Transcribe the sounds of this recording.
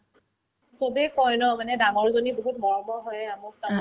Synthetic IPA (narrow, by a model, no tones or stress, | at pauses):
sobɛkɔjnɔmanɛdaɡɔɹzoniboɦut̚mɔɹɔbɔɦɔjamukta